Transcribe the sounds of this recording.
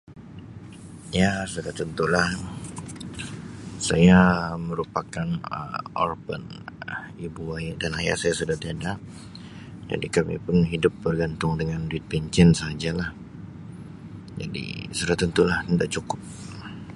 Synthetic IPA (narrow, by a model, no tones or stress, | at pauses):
jasudaht̪ənt̪ulah | sajaməɾupakanə̰ɔ̰rbə̰n | ibuajdanaja̰ʔsajasudaht̪iada | d͡ʒa̰dikamḭpʊnɦidʊp̚bərɡant̪ʊŋdəŋanduɪt̪̚pɛɲt͡ʃɛnsad͡ʒalah | d͡ʒa̰dḭsudat̪ənt̪ulah̪əndaʔt͡ʃukʊp̚